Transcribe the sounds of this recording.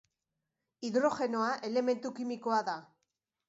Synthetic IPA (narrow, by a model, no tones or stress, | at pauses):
iðɾo̞xe̞no̞aʔe̞le̞me̞nt̪ukimiko̞aða